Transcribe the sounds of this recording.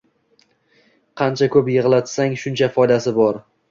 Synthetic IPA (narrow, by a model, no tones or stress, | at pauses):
qʰɑnt͡ʃʰakʰɵpjɨʁlˠat̪saŋʃʊnt͡ʃʰafɒjd̪asɪbɒɾ